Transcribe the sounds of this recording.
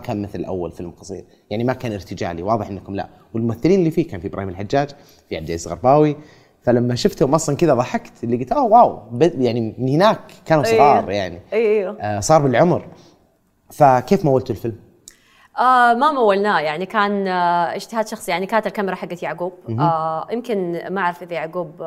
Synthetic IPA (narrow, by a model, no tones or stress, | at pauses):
kaːnmɪθlɪlʔa̰wːa̰lfɪlmqɑsˤḭːɾ | jaʕnimakaːnɪɾt̪ɪd͡ʒa̰ːliwɑːðˤɨħʔɪnːakʊmla̰ | wɪlmʊmaθːɪliːnɪlːiːfiːkaːnfibɾʔa̰ːhiːmɪlħad͡ʒːaːd͡ʒ | fiʕab̚d̪ʔɪzɣɑ̰ɾˤbaːwi | falamːaʃʊft̪hʊmʔɑsˤlɑnkɪd̪aðˤɑħakt̪ɪlːiɡɪlt̪ʔoːwaːwbɪjaʕnimɪnhɪnaːkkːaːnusˤɣɑːɾˤjaʕniiwasˤɑːɾˤbɪlʕʊmɾ | fakeːfmawːalt̪ʊlfɪlm | ʔamamawːalnaːjaʕnikaːnɪd͡ʒt̪ɪhaːd̪ʃɑxsˤjaʕnikaːt̪ɪlkamɪɾˤɑħaɡːat̪jaʕɡuːb̥̚jɪmkɪnmːaʔaʕɾˤɪfʔɪðajaʕɡuːb